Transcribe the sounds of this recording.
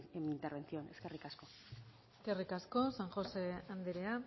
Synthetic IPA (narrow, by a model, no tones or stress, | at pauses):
emint̪eɾβe̞nt͡sioneske̞rikasko̞ | eske̞rikasko̞saŋxo̞se̞and̪eɾea